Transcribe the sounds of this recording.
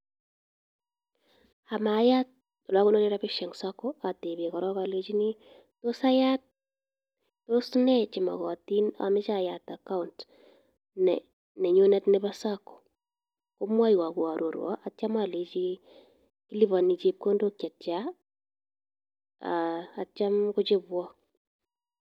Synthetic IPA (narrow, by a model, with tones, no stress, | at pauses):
ha˨ma˨ja˦t̚ | ɔ˨la˦kʊ˦no˦le˦ɾa˦pɪʃɛ˨ŋsa˦kɔa˨te˨be˨kɔ˨ɾɔ˦ka˨le˦t͡ʃi˦ni˦ | tosa˦ja˦t̚ | osnɛ˦t͡ʃɪ˨ma̰˨ɣɔ˨ti˦na̰˨mɪ˦t͡ʃajataka˦unt | nɛ | nɛ˨ɲo˦nɛ˦tnɪ˦basakːɔ̥˨ | ko˦mwa˦jwa˨ku˨a˨ɾʔo˨ɾwɔ̰˦ʔa˨t͡ʃa˦male˨t͡ʃi˦ | ki˦li˦βa˨ni˨t͡ʃep̚ko˦ndo˦kja˨tt͡ʃa˦ | a̰ː˨t͡ʃa˦mko˦t͡ʃe˦bwɔ˦